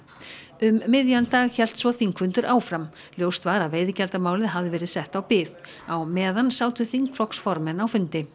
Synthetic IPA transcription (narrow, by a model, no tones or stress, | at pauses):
ʏmːɪðjant̪aːɣçɛl̥t̪svɔθiŋkvʏnt̪ʏɾʔaːwfɾam | ljowst̪vaɾaðveːjðɪcɛlt̪amaːwlɪðɦavðɪvɛːɾɪðsɛht̪awpɪːð | awmɛːðansaːwt̪ʏθiŋkflɔksfɔɾmɛnawfʏnt̪ɪ